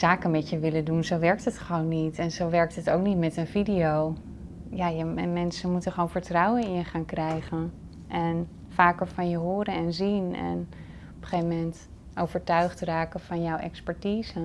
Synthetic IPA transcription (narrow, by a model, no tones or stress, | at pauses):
z̥aːkənmɛtjəʋɪlədunzowʋɛɹk̚tɦətχəʋownːitɛnzowʋɛɹk̚tɦətowk̚nitmɛtənvidiow | jaːjəmɛnsənmutəχʋownvəɹtrɑwənɪnjəχaːnkrɛjχən | ʔɛn | faːkəɹvɑnjəɦoːɾənɛnzinɛ̰n | ɔpə̥χevəmɛnt | ʔowvəɹtœɥχtraːkəvɑnjɔwʔɛ̰kspɛɹtiːzə